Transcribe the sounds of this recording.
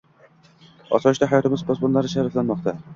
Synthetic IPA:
ɒ̰sɒɪʃd̪aɦajɒt̪ɪmɪzbɒsbʊnlaɾɪʃaɾaflanmɒqt̪a

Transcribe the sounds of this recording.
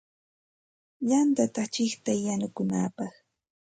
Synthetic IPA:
jant̪at̪at͡ʃɪχt̪ajanʊkʊnaːpɑχ

